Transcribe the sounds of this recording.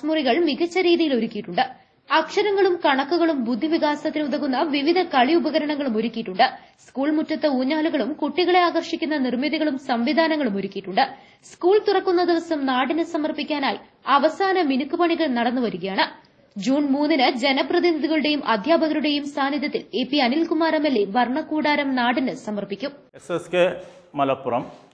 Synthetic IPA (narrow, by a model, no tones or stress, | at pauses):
smuriɣɐɭmiɣɐt͡ɕːɐɾiːðijilo̞ɾukʲːijiʈːuɳɖɨ | ɐkʂɐɾɐŋːɐɭumkɐɳɐkːuɣɐɭumbud̪ʱːiʋiɣaːsɐt̪ːinuðɐɣunːɐʋiʋid̪ʱɐkɐɭiubɐɣɐɾɐɳɐŋːɐɭumo̞ɾukʲːijiʈːuɳɖɨ | skuːɭmutːɐt̪ːeuːɲːaːluɣɐɭumkuʈːiɣɐɭe̞aːɣɐrʂikʲːunːɐnirmiðiɣɐɭumsɐmʋid̪ʱaːnɐŋːɐɭumo̞ɾukʲːijʈːuɳɖɨ | skuːɭt̪urɐkːunːɐd̪iʋɐsɐmnaːɽinɨsɐmɐrpikʲːaːnaːjḭ | ɐʋɐsaːnɐminukːupɐɳiɣɐɭnɐɽɐnːuʋɐɾuɣɐjaːɳɨ | d͡ʑuːnmuːnːinɨd͡ʑe̞nɐprɐðinid̪iɣɐɭuɽe̞jumʔɐd̪ʱjaːbʱɐɣɐɾuɽe̞jumsaːnjɐðjɐt̪ːileːpːiɐnilkumaːɾɐmelːeʋɐrɳɐkːuːɽaːɾɐmnaːɽinɨsɐmɐrpikʲːum | eseskemɐlɐpːurɐm